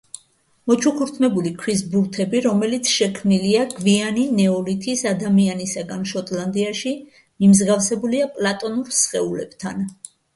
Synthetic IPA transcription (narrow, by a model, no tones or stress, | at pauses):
mɔt͡ʃʰukʰuɾt̪ʰmɛbulikʰwisbuɾt̪ʰɛbiɾɔmɛlit̪sʰʃɛkʰmniliaɡvianinɛɔlit̪ʰisad̪amianisaɡanʃɔt̪ʼland̪iaʃi | mimzɡafsɛbuliapʼlˠat̪ʼɔnuɾsχɛulɛ̰b̥t̪ʰan